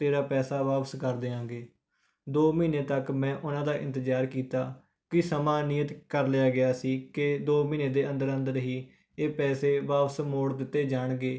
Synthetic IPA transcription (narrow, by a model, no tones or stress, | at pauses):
t̪eːɾaːpɛːsaːʋaːpəskəɾd̪eːãːɡeː | d̪oːmiːneːt̪əkmɛ̃ːʔʊnãːd̪aːʔɪ̰̃nt̪əd͡ʒaːɾkiːt̪aː | kɪsəmaːnɪjət̪kəɾlɪjaːɡɪjaːsiːkɪd̪oːmĩːneːd̪eːə̃nd̪əɾə̃nd̪əɾɦiː | eːpɛːseːʋaːpəsmoːɽd̪ɪt̪ːeːd͡ʒaːɳɡeː